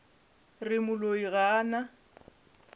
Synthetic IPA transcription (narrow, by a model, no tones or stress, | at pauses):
rɪmʊloiɣaːna